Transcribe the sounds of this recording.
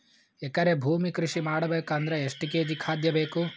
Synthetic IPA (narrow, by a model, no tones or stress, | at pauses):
ɛkːɐɾebʱuːmikɾuʂimaːɽɐbeːkaːnd̪ɾeeʂʈikeːd͡ʒikʰaːd̪jɐbeːku